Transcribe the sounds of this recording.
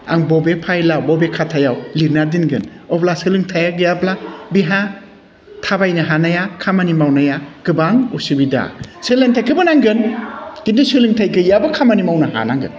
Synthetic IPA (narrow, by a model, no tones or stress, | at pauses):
a̰ŋbɔbepʰajlawbɔbekʰatʰajawliɾnadinɡɯn | ɔblasɯlɯŋtʰajaɡɯjablabiɦa | tʰabajnɐɦanajakʰamanimawnajaɡ̥ɯbaŋusɯbida̰sɯlɯŋtʰajkʰɯbanaŋɡɯnɡidisɯlɯŋtʰajɡɯjabɐkʰamanimawnɐha̰naŋɡɯ̰n